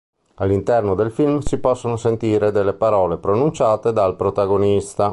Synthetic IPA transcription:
alːint̪ɛrnod̪elfilmsipɔsːonosent̪iːɾed̪elːepaɾɔːlepɾonunt͡ʃaːt̪ed̪alpɾot̪aɡonist̪a

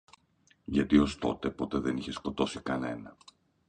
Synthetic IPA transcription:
ʝɐt̪io̞st̪o̞t̪e̞po̞t̪eðe̞niçe̞sko̞t̪o̞sikɐne̞̰nɐ

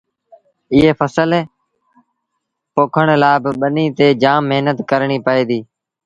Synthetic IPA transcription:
ɪɦeːfʰəsəl | poːkʰəɳ̃laːbɪɓəniːt̪eːd͡ʒaːmːeɦnət̪kəɾɳiːpəeːd̪iː

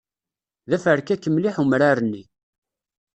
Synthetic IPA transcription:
ðæfəɾkːækːəmliħumɾaɾənːi

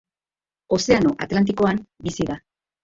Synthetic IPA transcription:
o̞se̞anoʔa̰t̪lant̪̬iko̞ambisiða

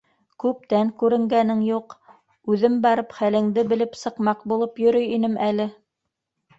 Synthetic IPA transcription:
kʉp̚t̪æŋkʉɾɘ̆ŋɡænɘŋjuq | ʉðɘmbɑɾɤpχælɘ̆ŋd̪ɘbɘ̆lɘpsɤ̆qmɑqbulˠɤpjɵ̆ɾɵjinɘmælɘ

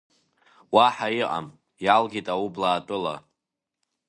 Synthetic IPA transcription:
waħaiʔʼa̰m | jalɡʲitʼawublaːtʼɨla̰

